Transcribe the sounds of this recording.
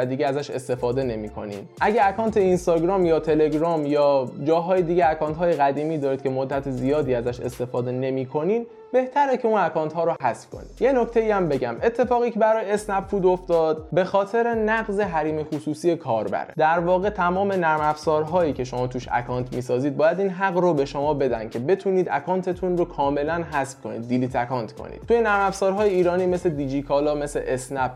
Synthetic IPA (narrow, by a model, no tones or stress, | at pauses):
æd̪iːɡɟeæzæʃe̞̰st̪e̞fɒːd̪e̞ne̞miːkʰo̞̰nḭːd̪ʔæɟæːkɒːnt̪ʰeinst̪ɒːɡɾɒːmjɒːt̪ʰe̞le̞ɡɾɒːmjɒːd͡ʒɒːɦɒːjed̪iːɟeækʰɒːnt̪ɦɒːje̞ɣæd̪iːmiːd̪ɒːɾid̪kcʰe̞mod̪ːæt̪ʰezijɒːd̪iːæzæʃe̞̰st̪e̞fɒːd̪e̞ne̞miːkʰo̞niːd̪ | be̞ht̪ʰæɾecʰe̞uːnækʰɒːnt̪ɦɒːɾoɦæsfkʰo̞̰nḭd̪̥je̞no̞cʰt̪ʰe̞iːæmbe̞ɟæme̞t̪ʰːe̞fɒːɣiːcʲʰe̞bæɾɒːjeesnæbfuːd̪o̞ft̪ɒːd̪̥be̞xɒːt̪ʰe̞ɾe̞næɡze̞ɦæɾiːmexusuːsiːje̞kʰɒːɾbæ̰ɾed̪æɾvɒːɣe̞t̪ʰæmɒːme̞næɾmæfzɒːɾɦɒːjiːcʰe̞ʃo̞mɒːt̪ʰuːʃæ̰kʰɒːnt̪ʰmiːsɒːziːd̪̚bɒːjæd̪iːnɦæɣɾobe̞ʃo̞mɒːbe̞d̪æ̰n̥cʰe̞be̞t̪ʰuniːd̪æ̰kʰɒːnt̪ʰe̞t̪ʰunrokʰɒːme̞lænɦæsb̥̚kʰo̞nḭːd̪̚ːiliːt̪ʰækɒːnt̪ʰkʰo̰nḭd̪̥̚t̪ʰujenæɾmæfsɒːɾɦɒːjeiːɾɒːniːme̞sled̪id͡ʒikʰɒːlɒːme̞slḛʔesnæp